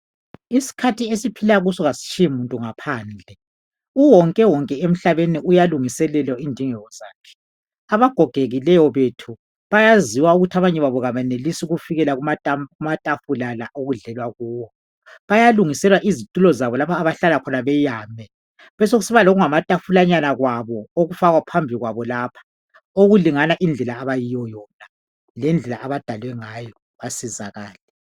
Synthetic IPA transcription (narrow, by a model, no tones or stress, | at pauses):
isi̥kʰatʰiesipʰilaɣusɔɣasi̥t͡ʃʼiimuntʼuŋapʰaːnd͡ɮʱɛ | uwɔŋkʼɛwɔŋkʼɛem̩ɬaβeniujaluŋisɛlɛlɔindʱiŋɛɣɔz̥aːkʰɛ̥ | aβaɡ̥ʱɔɡ̥ʱeɣilɛjɔβetʰu | βajaziwauɣutʰaβaɲɛβaβɔɣaβɛnelisuɣufiɣɛlaɣumʼumatʼafulalaʔoɣuɮɛlwaɣuːwɔ | βajaluŋisɛlwaʔizitʼulɔzaβɔlapʰaːβaɬalakʰɔnaβɛjaːmɛ | βɛsoɣusiβaloɣuŋamatʼafulaɲanaɣwaβɔoɣufaɣwapʰambʱiɣwaβɔlaːpʰḁ | oɣuliŋanaʔind͡ɮʱɛlaːβajijɔjɔna | lɛnd͡ɮʱɛlaʔaβad̥ʱalwɛŋajɔ | βasizaɣaːlɛ